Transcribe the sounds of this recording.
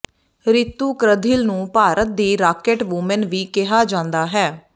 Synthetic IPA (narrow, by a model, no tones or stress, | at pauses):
ɾɪt̪ːuːkɾəd̪ʱiːlnũːpaːɾʔət̪̚d̪iːɾaːkeːʈʋʊmənʋiːkɪɦaːd͡ʒãːnd̪aːɦɛː